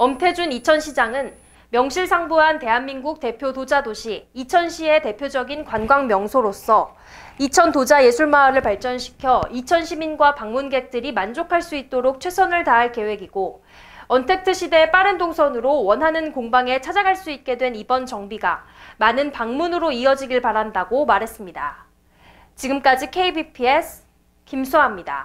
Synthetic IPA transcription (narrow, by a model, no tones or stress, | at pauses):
ʌmtʰe̞d͡ʑunit͡ɕʰʌnɕʰid͡ʑaŋɯn | mjʌŋɕʰiɭsʰaŋbuɦante̞ɦanminɡuk̚te̞pʰjodod͡ʑadoɕʰiːt͡ɕʰʌnɕʰie̞te̞pʰjod͡ʑʌɡinkwanɡwaŋmjʌŋsʰoɾos͈ʰʌ | it͡ɕʰʌntod͡ʑaje̞sʰuɭmaːɾɯɭpaɭt͡ɕ͈ʌnɕʰi̥kʰjʌit͡ɕʰʌnɕʰiminɡwapaŋmunɡe̞k̚t͈ɯɾimand͡ʑokʰaɭs͈uit̚t͈oɾok̚t͡ɕʰwe̞sʰʌnɯɭtaɦaɭke̞we̞ɡiɡo | ʌntʰe̞k̚tʰɯɕʰide̞p͈aɾɯndoŋsʰʌnɯɾowʌnɦanɯnkoŋbaŋe̞t͡ɕʰad͡ʑaɡɦaɭs͈uit̚k͈e̞dwe̞nibʌnt͡ɕʌŋbiɡamanɯnpaŋmunɯɾoiʌd͡ʑiɡiɭpaɾandaɡomaɾɦe̞s͈ɯmɲida̰ | t͡ɕiɡɯmk͈ad͡ʑikʰeibipʰiesʰ | kimsʰoɦamɲida̰